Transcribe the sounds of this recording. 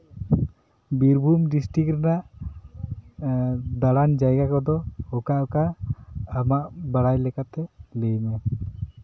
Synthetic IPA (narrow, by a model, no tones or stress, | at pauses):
biɾbʱumɖisʈɾikɾɛnaʔ | d̪aɽand͡ʒajɡakɔd̪ɔɔkaʔɔkaː | maʔbaɽajlɛkat̪ɛlejmɛ